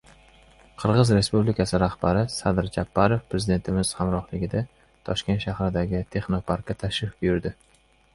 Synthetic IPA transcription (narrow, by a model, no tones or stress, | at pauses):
qʰɨɾʁɨzɾe̞spublikʰʲasɪɾahb̥aɾɪsad̪ɾd͡ʒapʰːaɾo̞fpɾe̞zɪd̪e̞nt̪ʰɪmɪz̥hamɾɒχlɪɡʲɪd̪a | t̪ʰɒʃkʲe̞nt̪ʃahɾɪd̪aɡʲɪt̪ʰe̞χnopʰaɾkʲːat̪ʰaʃɪfbʊjʊɾd̪ɪ